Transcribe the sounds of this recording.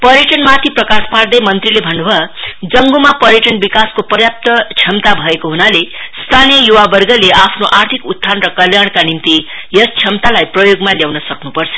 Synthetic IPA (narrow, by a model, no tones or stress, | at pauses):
pʌɾjʌʈʌnmat̪ʰiprʌkaspard̪ʌjmʌnt̪rilebʱʌnːubʱʌd͡zʌŋɡumapʌɾjʌʈʌnbikaskopʌrjap̚t̪ʌt͡sʰjʌmt̪abʱʌekoɦunalest̪ʰanijʌjuwabʌrɡʌleapʰnoʔart̪ʰikut̪ʰːanrʌkʌljaɽkanimt̪i | jʌst͡sʰʌmt̪alajprʌjoɡmaljawnʌsʌknupʌrt͡sʰʌ̥